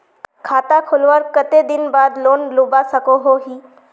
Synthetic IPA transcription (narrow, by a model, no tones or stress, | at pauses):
kʰaːt̪akʰolʋəɾkət̪ed̪ɪnbaːd̪loːnloːbasəkoɦoɦiː